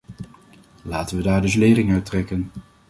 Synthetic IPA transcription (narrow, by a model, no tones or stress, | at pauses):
laːtənʋədaːɹdɵs̬leːrɪŋœɥtrɛkən